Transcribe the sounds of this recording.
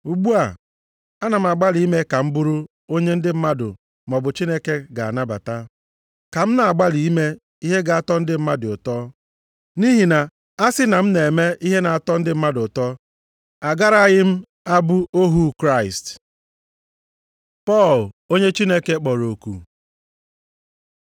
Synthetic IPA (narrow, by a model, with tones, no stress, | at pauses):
u˨ɡ͡bu˦a˨ | a˦na˨m̩˨a˨ɡ͡ba˦li˨˦me˦ka˨m̩˦bu˦ɾu˦ | o˦ɲe˦n̩˦dɪ˦m̩˦ma˦dʊ̰˨ | mɔ˨bʊ˨t͡ʃi˦ne˦ke˦ɡa̰˨a̰˨na˦ba̰˨ta˦ | ka˨m̩˦na˨a˨ɡ͡ba˦li˨i˦me˦ | i˦ɦe˦ɡa˨a˨tɔ˦n̩˦dɪ˦m̩˦ma˦dɪ˨ʊ˨tɔ˦ | ni˦ɦi˨na˨ | a˦sɪ˦na˨m̩˦ne˨me˦ʔi˦ɦe˦na˨a˨tɔ˦n̩˦dɪ˦m̩˦ma˦dʊ˨tɔ˦ | a˨ɡa˦ɾa˦ɲɪ˦m̩˦ | a˦bu˦o˦ɦu˦kɾa˦ɪ˨st | pɔ˦˨lo˦ɲe˦t͡ʃi˦ne˦ke˦k͡pɔ˨ɾo˨kṵ˨